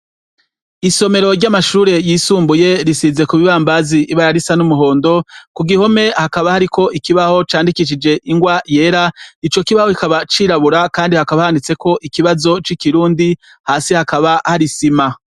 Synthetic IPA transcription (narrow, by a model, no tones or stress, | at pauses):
iso̞me̞ɾo̞ɾɟamaʃuːɾe̞jiːsuːmbuje̞ɾisize̞kuβiβaːmbaziʔːβaɾaɾisanumuɦo̞ːndo̞kuɡiho̞me̞hakaβahaɾikʰo̞ʔikiβaho̞t͡ʃaːndikiʃ̬id͡ʒe̞ʔiŋɡwaje̞ːɾait͡ʃo̞kiβaho̞hikaβat͡ʃiːɾaβuɾakaːndihakaβahandit͡se̞ko̞ʔikiβazo̞t͡ʃikiɾuːndi | haːsihakaβahaɾisima